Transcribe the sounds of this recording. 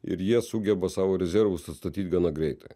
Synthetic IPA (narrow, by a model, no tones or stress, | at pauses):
ɪ̰ɾjiɛsʊɡʲɛbɐsɑːʋoːɾʲɛzʲɛɾʋʊsɐt̪st̪ɐt̪ʲiːt̪̚ʲɡɑːnɑɡɾʲɛɪt̪ɐ